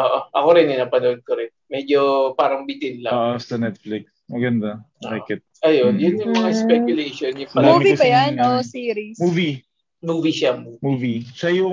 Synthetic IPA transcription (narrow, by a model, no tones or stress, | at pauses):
ʔoʔoʔɐko̞ɾɪnɪnapɐnoʔod̪̚koɾɪnmɛd͡ʒopaːɾɐŋbit̪ɪnlɐʔosɐnɛt̪̚flɪksmɐɡɐnd̪a | bo̰ɐkɪt̪̚ʔɐjonjʊnjʊŋmɐŋɐspɛkjʊlɛʃonjʊŋpɐuːvibɐjanosiːɾismuːvi | muːviʃamumuːvisɐjʊ